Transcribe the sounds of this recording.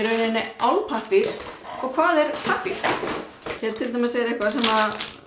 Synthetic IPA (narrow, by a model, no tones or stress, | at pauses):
ɾɪnejnɪawlpʰapɪɔɣkʰvaːðɛɾ̥pʰapɪ | çɛɾt̪ʰɪlt̪ɔmɪseːjðɾaehkvas̬ɛma